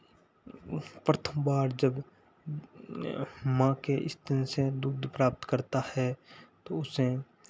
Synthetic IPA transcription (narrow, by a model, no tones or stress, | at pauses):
pɾət̪ʰə̃mbaːɽd͡ʒəb | mãkeʔɪ̰st̪ənsed̪uːd̪ʱpɾaːp̚t̪kəɾt̪ahɛt̪oʊsẽ